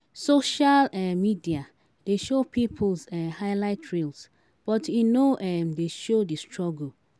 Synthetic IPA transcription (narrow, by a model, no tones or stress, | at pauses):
soʃalɛmidia | d̥eʃopipʰlzɛhaɪlaɪtʰɹils | b̥ɔtunoʔɛmdeʃodistʰɹɔɡəl̩